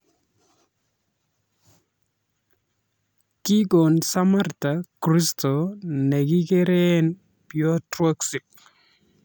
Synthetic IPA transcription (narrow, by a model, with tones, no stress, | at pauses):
ki˦ɡo˨nsa˦ma˦rta˨kɾi˦sto˨ne˨ɡi˦ke˦ɾe˦n | pjɔ˦tɾwo˦ksi˨k̚